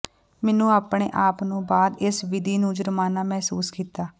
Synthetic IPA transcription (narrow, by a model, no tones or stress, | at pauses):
mɛːnũːaːpɳḛːʔaːpnũːbaːd̪ɪsʋɪd̪iːnũːd͡ʒəɾəmaːnaːmɛɦsuːskiːt̪aː